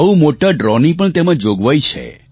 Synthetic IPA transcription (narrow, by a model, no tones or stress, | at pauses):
əumoʈaɖɾɔnipəɳt̪emãd͡ʒoɡʋajt͡ʃʰḛ